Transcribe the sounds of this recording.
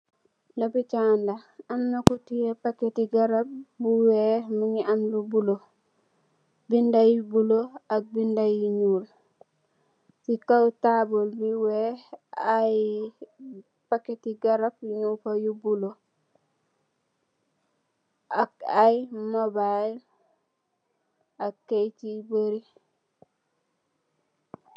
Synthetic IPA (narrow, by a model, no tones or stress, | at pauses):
dobit͡ʃandaamnakutijepaketiɡaɾap̚buwemiɲiamlubulo | bindajibuloak̚bindajiɲuːl | sikawtabolbiweaj | pakːetiɡaɾapjiɲufajubulo | akajimobajl | akːejt͡ʃibəɾi